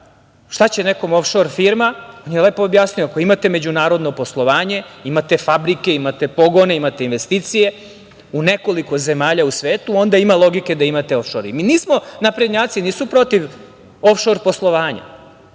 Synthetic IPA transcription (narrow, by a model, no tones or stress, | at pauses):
ʃt̪at͡ɕe̞ne̞ko̞mofʃo̞ɾfiɾmao̞njele̞ːpoːbjasnujoako̞imat̪eme̞d͡ʑunaːɾod̪no̞po̞slˠo̞ʋaːɲe̞imat̪e̞fabɾike̞imat̪e̞po̞ɡo̞ne̞imat̪einʋe̞st̪iːt̪sije̞ | une̞ko̞liko̞ze̞maːʎausʋeːt̪uo̞nd̪aimalˠo̞ɡike̞d̪aimat̪eofʃoɾḭminiːsmonapɾed̪ɲaːt̪siniːsupɾo̞t̪iʋ | o̞fʃo̞ɾpo̞slˠo̞ʋaːɲa̰